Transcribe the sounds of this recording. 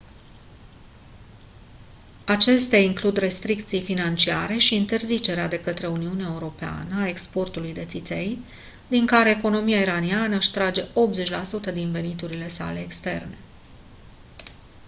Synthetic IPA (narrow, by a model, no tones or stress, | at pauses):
at͡ʃe̞st̪eaiŋklud̪re̞st̪ɾik̚t̪sijfinant͡ʃiaɾe̞ʃiːnt̪e̞rzit͡ʃe̞ɾead̪e̞kət̪ɾe̞uniuneaeuɾo̞pea̰nəae̞kspo̞rt̪ulujd̪e̞t̪sit̪se̞j | d̪iŋkaɾe̞ːko̞no̞mijaiɾanianəɨʃt̪ɾad͡ʒe̞ʔo̞p̪̚ze̞t͡ʃʲlasut̪əd̪inve̞nit̪uɾile̞sa̰le̞ːkst̪e̞̰rne̞